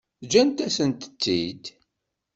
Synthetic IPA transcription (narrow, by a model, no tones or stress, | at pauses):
d͡ʒænt̪æsənt̪ə̥t͡s̪ːid̪